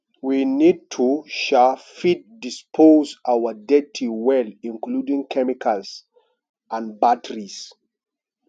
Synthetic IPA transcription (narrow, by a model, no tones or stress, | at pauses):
winid̚tʰuʃafit̚dispʰozawədɛtʰiwɛlĩnkludĩŋkʰɛmikʰals | ãnbatʰəɹis